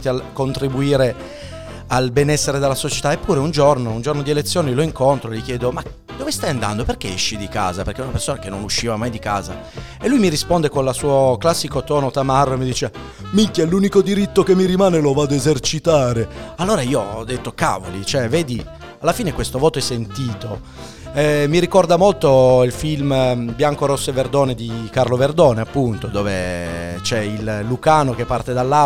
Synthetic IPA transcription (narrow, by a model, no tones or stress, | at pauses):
t̪iakːont̪ɾibuiːɾe | albenɛsːeɾed̪elːasot͡ʃe̥t̪aepːuːɾeund͡ʒornound͡ʒornod̪ielet̪sːjoːniloiŋkont̪ɾoelikjɛːd̪oma | d̪ovest̪ajand̪a̰nd̪operk̟eɛ̰ʃːid̪ika̰ːzaperkeɛɛunapersoːnakenːonuʃːiːvamajd̪ika̰ːza̰ | elːujmiɾispond̪ekonlasuːoklasːikot̪ɔːnot̪amarːoemid̪iːt͡ʃe | mikjaluːnikod̪iɾit̪ːokemːiɾimaːnelovad̪ezert͡ʃit̪aːɾealːoːɾaiːoɔd̪ːet̪ːoka̰ːvo̰lḭt͡ʃoɛvɛːd̪i | alːafiːnekwest̪ovɔːt̪oɛsːent̪iːt̪o | ɛmiɾikɔrd̪amolt̪oilfilmbjaŋkoɾosːeverd̪oːned̪ikarloverd̪ɔːneapːunt̪od̪ɔːvḛt͡ʃɛilːukaːnok̟epːart̪ed̪alːa